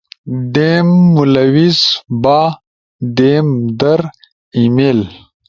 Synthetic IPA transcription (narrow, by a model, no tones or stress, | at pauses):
deːmːulɐwiz̥baː | d̪eːmd̪ɐɾ | imeːl